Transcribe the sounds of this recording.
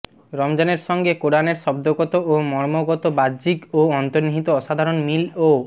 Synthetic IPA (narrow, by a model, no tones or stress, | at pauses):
ɾɔmd͡ʑɔneɾʃɔŋɡekoɾaneɾʃɔbd̪oɡɔt̪oʔomɔɾmoɡɔt̪obad͡ʑiɡoɔnt̪oɾniɦit̪oɔʃad̪ʱaɾonmilo